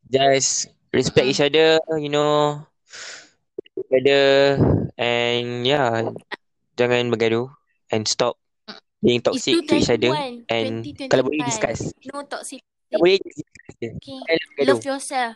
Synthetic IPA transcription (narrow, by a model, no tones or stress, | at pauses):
d͡ʒas | ɹɛspɛk̚it͡ʃadəjuno | ituɡɛdə | ʔɛnja | d͡ʒaŋãnbəɡado | ɛ̃nstɔp̚ | piĩŋt̪ɔkksik̚tuit͡ʃadəʔɛ̃nkalabɔɾeidiskasɔks | kalabɔɹeid͡ʒasdiskasɛd͡ʒaãnabəɡado